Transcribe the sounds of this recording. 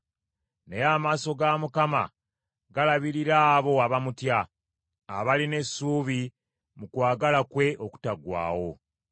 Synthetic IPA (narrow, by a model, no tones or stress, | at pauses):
nejaːmaːso̞ɡamukama̰ | ɡalaβiɾiɾaːβo̞aβamutjaː | βaline̞sːuːβi | mukwaːɡalakwe̞ʔo̞ku̥taɡwa̰ːwo̞